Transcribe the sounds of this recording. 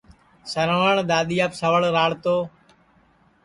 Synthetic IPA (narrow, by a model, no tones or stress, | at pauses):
səɾʋəɳɗ̪aːɗ̪ijaːpsəʋəɭɾaːɽt̪oː